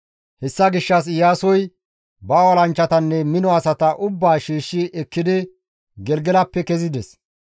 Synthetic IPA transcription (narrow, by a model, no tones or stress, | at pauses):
hɛsːɐɡɪʃːɐs̬ɪjaːsɔj | bɐwɔlɐnt͡ʃːɐt̪ɐnːɛmɪnɔɐsɐt̪ɐʔʊbːaːʃiːʃːɪʔɛkːɪd̪ɪ | ɡɛlɡɛlɐpːɛkɛzɪd̪ɛs